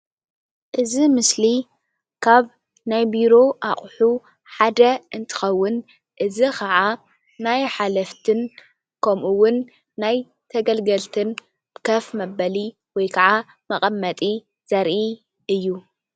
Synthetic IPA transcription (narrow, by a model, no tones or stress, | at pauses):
ʔɨzimɨsli | kʰaβ | najbiɾo̞ʔaχʼħu | ħad̪ɐʔɨnt̪ʰɨ̥xɐwːʊn | ʔɨzikʰɐʕa | najħalɐft̪ʰɨn | kʰɐmʔuwʊnː | aj | t̪ʰɐɡɐlɡɐlt̪ʰɨn | kʰɐfmɐbɐli | wɔjkʰɐʕa | mɐqʼɐmːɐt̪ʼi | z̥ɐɾʔi | ɨjːu